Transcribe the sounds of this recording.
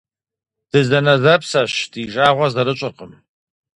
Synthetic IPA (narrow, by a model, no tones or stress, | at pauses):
d̥ɨzɐnɐzɐpsɐɕdiːʒaːʁʷɐzɐɾɨɕʼɪqəm